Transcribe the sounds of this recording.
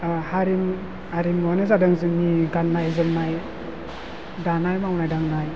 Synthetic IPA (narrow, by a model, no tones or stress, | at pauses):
haɾim | aɾimanɯzadɯŋzɯmniɡanːajzɯmnaj | danajmawnajdaŋnaj